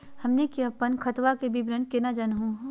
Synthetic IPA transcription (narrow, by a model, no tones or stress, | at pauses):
hɐmnekiɐpənkʰɐt̪ʋakebʱibɾənkenad͡ʒanɦũ